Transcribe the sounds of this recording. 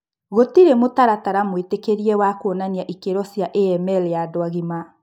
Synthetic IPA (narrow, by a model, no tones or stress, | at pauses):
ɣotiɾemotaɾataɾamwetekeɾiɛwakonaniaʔikeɾɔsjaʔeɛmɛlejadoaɣima